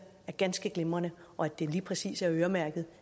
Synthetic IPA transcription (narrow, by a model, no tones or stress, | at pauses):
æɐɡ̥ænsɡ̥əɡ̥lemɐnəʔɒ̽æd̥e̝liːpʰʁɛsḭːsæɐøːɐmæɐɡ̥ð̞̩ˠ